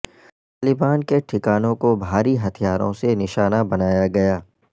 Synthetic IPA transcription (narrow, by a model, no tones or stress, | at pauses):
t̪aːlɪbaːnkeʈʰɪkaːnõkobʱaːɾiɦɐt̪ʰijaːɾõ̰senɪʃaːnabɐnaːjaɡɐjaː